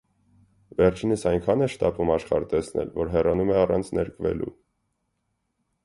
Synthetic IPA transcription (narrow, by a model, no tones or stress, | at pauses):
vɛɾt͡ʃʰinəsɑjŋkʰɑnɛʃt̪ɑpumɑʃχɑ̰ɾt̪ɛsnɛ̰lvɔɾɦɛrɑnumɛɑrɑ̰nt͡sʰnɛɾkʰvɛ̰lṵ